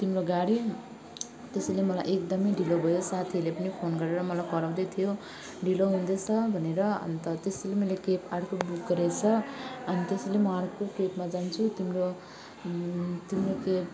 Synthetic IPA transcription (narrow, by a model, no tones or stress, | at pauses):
t̪imroɡaɽi | t̪esʌjlemʌla̰jʔek̚d̪ʌmʌjɖʱilobʱʌjosat̪ʰiʌlepʌnipʰonɡʌɾeɾʌmʌlajkʌɾaw̃d̪ʌjt̪ʰijo | ɖʱiloɦund̪ʌt͡sʰʌbʱʌneɾʌʌ̰nt̪ʌt̪eselemʌlekepaɽkobuk̚ɡʌɾet͡sʰʌʌnit̪eselemʌaɾukokepmad͡zant͡sʰut̪imro | t̪imrokep